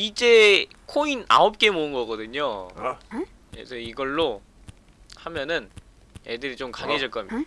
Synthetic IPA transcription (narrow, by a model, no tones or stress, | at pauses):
id͡ʑe̞ | kʰoina̰op̚k͈e̞moɯnɡʌɡʌdɯɲo | kḛsʰʌiɡʌɭːo | hamjʌnɯn | edɯɾit͡ɕomkaŋed͡ʑʌɭk͈ʌm